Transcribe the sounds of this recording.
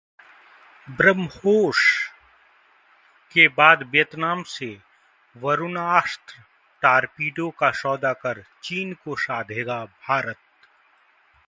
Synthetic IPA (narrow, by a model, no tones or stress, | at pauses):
bɾəmhoːʃ | kebaːd̪ʋijət̪naːmse | ʋɐɾʊnaːst̪ɾə | ʈaːɾpiːɖõkaʃɔːd̪akɐɾt͡ʃiːnkoʃaːd̪ʱeːɡabʱaːɾət̪̚